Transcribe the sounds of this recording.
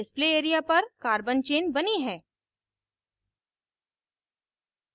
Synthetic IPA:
ɪspleeːɾijapɐɾkaːɾbənt͡ʃeːnbɐniɦɛ̃ː

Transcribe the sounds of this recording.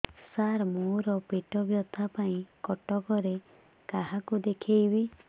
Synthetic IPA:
saɾmoɾɔpeʈɔbjɔt̪ʰapaĩkɔʈɔkɔɾe | kaɦakud̪ekʰejbi

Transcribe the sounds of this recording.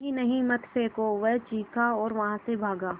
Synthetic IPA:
ɦĩnɐɦĩmɐt̪ʰseːkoʋɛɦt͡ʃiːkaɔːɾʋɐɦãsebʱaːɡaː

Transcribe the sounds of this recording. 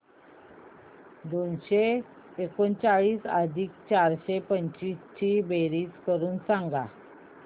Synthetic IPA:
d̪onɕeː | kont͡saɭiːsə̰d̪ʱiːk̚t͡ɕaɾɕepəɲt͡ɕist͡ɕʰibeɾiːt͡skəɾuːnsãŋɡa

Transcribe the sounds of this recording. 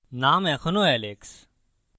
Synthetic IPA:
naːmɛ̃ːxʰʊnoːɛːleːks

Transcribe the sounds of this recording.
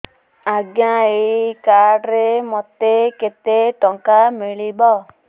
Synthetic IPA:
aɡjaeikaɾɖɾemɔt̪eket̪eʈɔŋkamiɭibɔ

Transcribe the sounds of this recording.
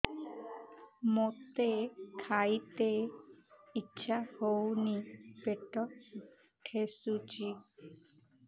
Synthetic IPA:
mot̪ekʰajt̪e | itːʃʰahownipeʈɔ | ʈʰesut͡ʃi

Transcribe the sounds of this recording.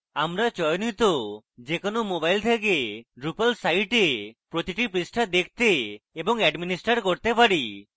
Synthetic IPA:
amɾat͡ʃɔjnit̪o | d͡ʒekonomobajlt̪ʰekeɾupalsajʈepɾot̪iʈipɾisʈʰad̪ekʰt̪eebɔŋɛɖminisʈaɾkoɾt̪epaɾi

